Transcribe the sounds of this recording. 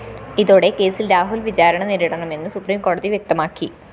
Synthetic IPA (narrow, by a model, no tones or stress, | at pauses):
iðoːɽe̞ke̞ːsilɾaːɦulʋit͡ɕaːɾɐɳɐniɾiɽɐɳɐme̞nːɨsupriːmko̞ːɽɐðiʋjek̚t̪ɐmaːkːi